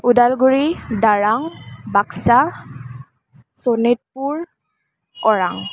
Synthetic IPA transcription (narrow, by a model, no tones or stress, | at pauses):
udalɡuɹidaɹaŋbaksa | sonit̚puɹ | ɔɹaŋ